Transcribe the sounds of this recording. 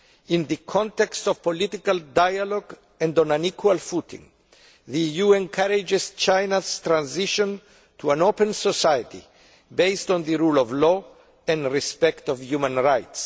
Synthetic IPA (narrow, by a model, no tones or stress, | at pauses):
ĩnðɨkʰɔ̃nt̪ɛkstɔv̥pɔlit̪ikaldajalɔɡ | ɛ̃ndɔ̃nãnikʰwalfut̪ʰḭ̃ŋ | ðiijuɛ̃ŋkʰaɾɪd͡ʒɪzt͡ʃãjnazt̪ɾãnziʃɔ̃n | tʰuãnopɛ̃nsɔsajat̪ḭ | bejst̪ɔ̃nðɨɹulɔvlɔ | ɛ̃ndɹispɛkt̪ɔvjumãnɹajts